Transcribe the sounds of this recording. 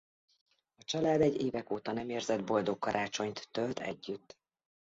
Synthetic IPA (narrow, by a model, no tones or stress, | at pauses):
ɒt͡ʃɒlaːd̪ɛɟːeːvɛkoːt̪ɒnɛmeːrzɛd̪bo̞ld̪o̞kːɒɾʔaːt͡ʃo̞ɲt̪ːølt̪ɛ̰ɟːyt̪ː